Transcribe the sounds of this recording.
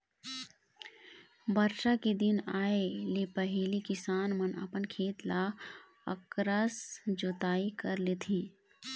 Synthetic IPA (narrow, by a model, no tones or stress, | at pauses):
bəɾʃaked̪ɪnaːelepəɦeːlikɪsaːnmənə̰pənkʰeːt̪la | əkɾəsd͡ʒot̪aːikəɾlet̪ʰĩː